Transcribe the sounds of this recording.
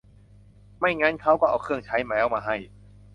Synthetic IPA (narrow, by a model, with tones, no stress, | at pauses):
ma˥˩jŋaː˦˥˨nkʰa˦˥wkɔː˥˩ʔaː˨˩kʰɯ˥˩əŋt͡ɕʰa˦˥jmɛː˨˦˥wmaː˧ɦa˥˩j